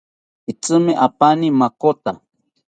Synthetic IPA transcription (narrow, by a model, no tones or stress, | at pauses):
it͡sɨmɪʔapanimakot̪a